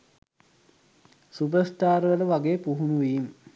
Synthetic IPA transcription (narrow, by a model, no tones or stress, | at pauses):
supəsʈaːɾʋələʋaɡeːpuɦunuʋiːm